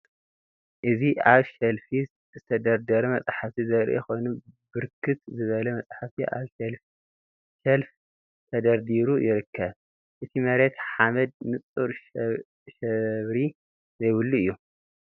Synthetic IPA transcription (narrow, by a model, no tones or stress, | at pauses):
ʔɨziʔaβʃɐlfi | zɨt̪ʰɐd̪ɐɾd̪ɐɾɐmɐt͡sʼħafizɐɾʔḛko̞jnubɨɾkʰːɨt̪zɨβɐlɐmɐt͡sʼħafiʔa̰βʃɐlf | ʃɐlf | t̪ʰɐd̪ɐɾd̪iɾujɪɾɨkʰːɐβ | ʔɨt̪ʰimɐɾet̪ħamɐd̪̚nɨt͡sʼuɾ | ʃɐβɾi | zɐjwɨlːuɨjːu